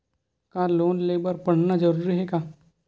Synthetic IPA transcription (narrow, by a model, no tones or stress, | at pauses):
kaːloːnleːbəɾpɐɽ̤nad͡ʒɐɾuːɾiɦɛkaː